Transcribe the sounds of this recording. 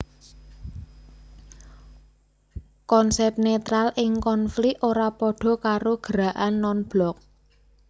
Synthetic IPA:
kɔnsɛp̚net̪ɾalɪŋkɔnfliʔoɾapɔɖ̥ɔ̤kaɾoɡ̥əɾa̤ʔanːɔnb̥lɔk̚

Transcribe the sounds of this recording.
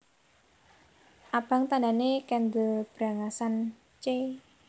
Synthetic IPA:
ʔab̥a̤ŋt̪ananekɛnd̪əb̥ɾa̤ŋasan | t͡ʃe

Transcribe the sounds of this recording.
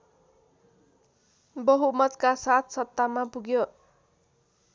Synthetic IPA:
bʌɦumʌt̪kasat̪ʰsʌt̪ːamapuɡjo

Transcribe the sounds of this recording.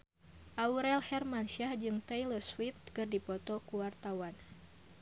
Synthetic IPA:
ʔauɾɛlhɛrmansiahd͡ʒɨŋt̪ɛjlərswift̪kɨrdipɔt̪ɔkuwart̪awan

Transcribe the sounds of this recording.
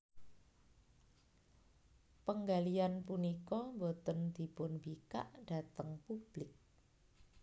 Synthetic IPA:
pəŋɡalijanpunikɔmbot̪ənd̪̥i̤pʊnbika̰ʔɖ̥at̪əŋpub̥lɪk̚

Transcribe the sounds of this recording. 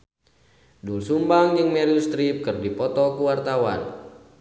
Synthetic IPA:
dulsumbaŋd͡ʒɨŋmɛɾiust̪ɾip̚kɨrdipɔt̪ɔkuwart̪awa̰n

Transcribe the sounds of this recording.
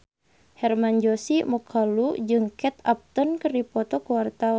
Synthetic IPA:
hɛrmaɲd͡ʒɔsimɔkʰalud͡ʒɨŋkɛt̪ap̚t̪ɔnkərdipɔt̪ɔkuwart̪aw

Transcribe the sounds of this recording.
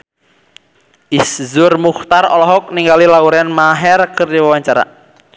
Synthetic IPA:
ʔiszʊrmuxt̪arɔ̰lɔɦɔk̚niŋɡalilauɾɛnmaɦɛrkərdiwəwaɲt͡ʃaɾa̰

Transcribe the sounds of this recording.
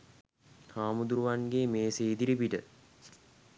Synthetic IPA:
haːmud̪uɾuʋanɡeːmeːseːd̪iɾibiʈə

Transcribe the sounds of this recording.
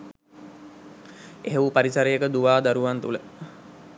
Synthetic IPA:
eɦewupaɾisaɾejəkəd̪uʋaːd̪aɾuʋant̪ulə

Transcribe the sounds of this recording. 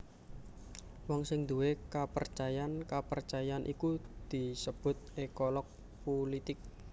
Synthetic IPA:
wɔŋsɪŋd̪uwekapərt͡ʃajankapərt͡ʃajaanʔḭkud̪̥i̤səb̥ʊ̤t̪̚ekolɔk̚ | polit̪ɪk̚

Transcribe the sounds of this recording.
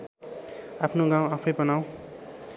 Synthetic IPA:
apʰnoɡãw̃apʰʌjbʌnaw̃

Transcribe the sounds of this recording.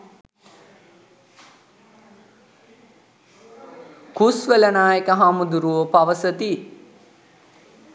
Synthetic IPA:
kusʋələnaːjekəɦamud̪uɾuʋopaʋəsət̪i

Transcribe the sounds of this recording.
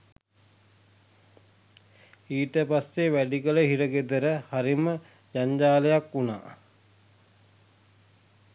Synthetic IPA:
iːt̪əpasːeʋæɖikələɦiɾəɡed̪əɾəhaɾimə | d͡ʒaɲd͡ʒaːləjakːuna̰ː

